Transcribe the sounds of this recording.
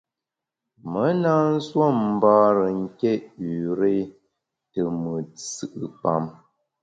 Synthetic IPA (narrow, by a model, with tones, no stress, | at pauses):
mə˨˦naː˦n̩˦swo˦˨mm̩˨baː˦ɾə˨ŋ̩˦kɛ˦˨ʔʉ˨ɾe˦ | tə˨mə˨t͡sɨ˦ʔɨ˨pa̰˦˨m